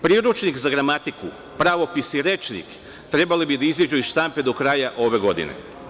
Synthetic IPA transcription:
pɾiːɾut͡ʃnikzaɡɾamat̪iku | pɾaʋo̞pisiɾe̞t͡ʃnḭk | t̪ɾe̞balibid̪aizid͡ʒuizʃt̪ampe̞d̪o̞kɾajaʔo̞ʋe̞ɡo̞d̪ḭnḛ

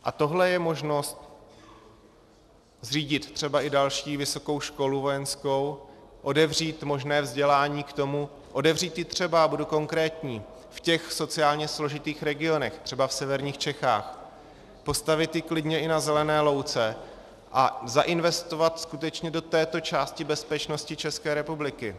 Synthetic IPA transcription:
ʔat̪o̞ɦlɛjɛmo̞ʒno̞st̪̚ | zriːɟɪt̪t̪r̝̥ɛbaʔɪdalʃiːvɪso̞ko̞wʃko̞luvo̞jɛnsko̞wʔo̞dɛvr̝iːt̪mo̞ʒnɛːvzɟɛlaːɲiːkt̪o̞mu | ʔo̞dɛvriːt̪jɪt̪r̝̥ɛbaabuduko̞ŋkɾɛːt̪ɲiː | fcɛxso̞t͡sɪaːlɲɛslo̞ʒɪt̪iːxɾɛɡɪo̞nɛxt̪r̥ɛbafsɛvɛɾɲiːxt͡ʃɛxa̰ːx | po̞st̪avɪt̪jɪklɪdɲɛʔɪnazɛlɛnɛːlo̞wt͡sɛ | ʔa̰zaʔɪnvɛst̪o̞vat̪skut̪ɛt͡ʃɲɛdo̞t̪ɛːt̪o̞t͡ʃaːscɪbɛspɛt͡ʃno̞scɪt͡ʃɛskɛːɾɛpublɪkɪ

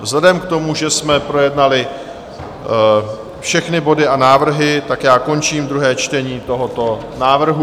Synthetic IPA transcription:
vzlɛdɛmkt̪o̞muʒɛsmɛpɾo̞jɛdnalɪ | fʃɛxnɪbo̞dɪʔanaːvr̩ɦɪt̪akjaːko̞nt͡ʃiːmd̪ɾuɦɛːt͡ʃt̪ɛɲiːt̪o̞ɦot̪o̞ | naːvr̩ɦu

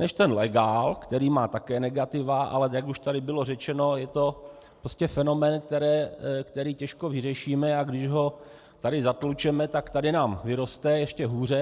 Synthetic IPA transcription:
nɛʃt̪ɛnlɛɡaːlkt̪ɛɾiːmaːt̪akɛːnɛɡat̪ɪvaʔa̰lɛjakuʃt̪adɪbɪlo̞rɛt͡ʃɛno̞jɛt̪o̞ | pɾoscɛfɛno̞mɛːnk̚t̪ɛɾɛːkt̪ɛɾiːcɛʃko̞vɪrɛʃiːmɛaɡdɪʒɦo̞ | t̪adɪzat̪lut͡ʃɛmɛt̪akt̪adɪnaːmvɪɾo̞st̪ɛjɛʃcɛɦuːr̝ɛ

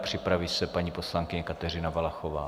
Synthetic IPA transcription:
pr̝̥ɪpɾavisɛpaɲiːpo̞slaŋkɪɲɛkat̪ɛr̝ɪnavalaxova̰ː

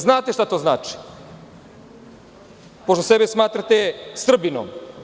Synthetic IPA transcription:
znaːt̪eʃt̪at̪oznaːt͡ʃi̥ | poʃt̪osebesmaːt̪ɾat̪est̪r̩bino̰m

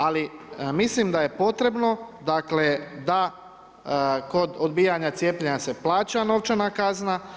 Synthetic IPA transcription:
alimislimd̪aje̞po̞t̪ɾe̞bno̞d̪akle̞d̪a | ko̞d̪od̪biːjaɲat̪sjeːpʎeɲase̞plˠaːt͡ɕano̞ʋt͡ʃanakazna

